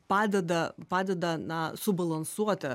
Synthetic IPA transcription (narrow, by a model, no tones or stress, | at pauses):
pɑːd̪ʲɛd̪ɐpɑːd̪ʲɛd̪ɐnɐsʊbɐlˠɐnsuɔt̪ʲɪ